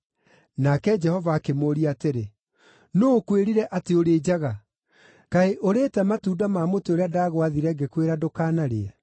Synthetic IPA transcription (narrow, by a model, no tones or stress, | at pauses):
nakɛd͡ʒɛhɔvaːkemoɾiateɾe | nokweɾiɾɛʔateoɾeːd͡ʑaɣa | kaeʔoɾetɛmatuːdamaːmoteoɾeadaɣwaðiɾɛŋɡekweɾadokaːnaɾeɛ